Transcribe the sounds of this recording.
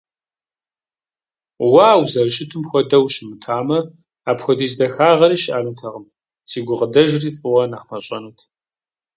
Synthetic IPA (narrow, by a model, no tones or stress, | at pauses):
waːwzɐrɨʃɪtʰɨmxʷɔdɐwʃɪmɨtʰaːmɐ | aːpxʷɔdiːzdɐxaːʁɐɾiːʃʔaːnutʰɐʁəm | sʰiːɡʷʊʁədɐʒriːfʼɨʁɐnaːχmɐɕʷʼɐnuːtʰ